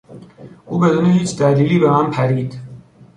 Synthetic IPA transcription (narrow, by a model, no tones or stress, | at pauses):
uːbɛd̪uniɦiːt͡ʃʰd̪alilibɛmampʰæɾiːt̪ʰ